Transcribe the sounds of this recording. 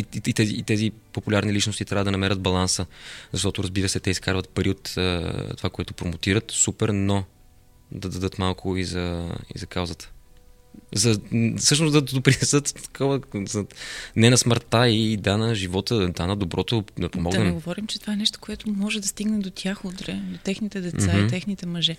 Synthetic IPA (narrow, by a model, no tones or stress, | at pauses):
iit̪ɛzit̪ɛzipopulʲaɾnilit͡ʃnʊst̪it̪ɾavəd̪ɐnɐmɛɾʲəd̪̚bɐlˠansəzɐʃt̪ɔt̪ʊɾɐzbiɾəsɛt̪ɛiskaɾvət̪pɐɾiot̪əːovakoɛt̪ʊpɾomʊt̪iɾət̪supɛɾno | d̪ɐd̪ɐd̪ɤt̪malˠkʰʊizɐḭzɐkawzət̪ə̥ | zɐsɤʃnʊsd̪ɐd̪opɾinɛsɤt̪t̪ɐ̥kʰɔvəzɐnɛnɐsməɾt̪aid̪anɐʒivɔt̪əd̪anɐd̪obɾʔɔt̪od̪ɐpomɔɡd̪nɛnɛɡovɔɾimt͡ʃɛt̪ovaɛnɛʃt̪o̥koɛt̪ʊmɔʒɛd̪ɐst̪iɡnɛd̪ot̪ʲjaxud̪ɾɛd̪ot̪ɛxnit̪ɛd̪ɛt̪sait̪ɛxnit̪ɛmɐʒɛ